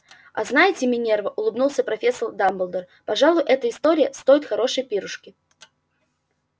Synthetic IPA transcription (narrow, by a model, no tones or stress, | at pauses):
ɐ̰znajɪtʲɪmʲɪnʲervəʔʊlˠɨbnulˠsʲəpɾɐfʲe̞sːərd̪ambəlˠd̪ər | pɐʐalˠʊjʔɛt̪əɪst̪o̞ɾʲɪjəst̪o̞jɪt̪xɐɾo̞ʂəjpʲiɾʊʂkʲɪ